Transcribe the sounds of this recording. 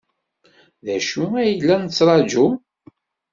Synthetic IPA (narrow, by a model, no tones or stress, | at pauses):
ðæʃuæjlːænt͡sːɾˤɑd͡ʒu